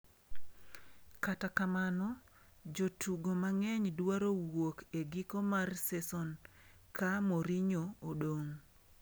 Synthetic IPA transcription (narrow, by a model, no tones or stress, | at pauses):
katakamanɔ | d͡ʒotʰuɡomaŋɛɲdwaɾowokeɡikomarsɛsɔn | kamoɾiɲoːɗoŋ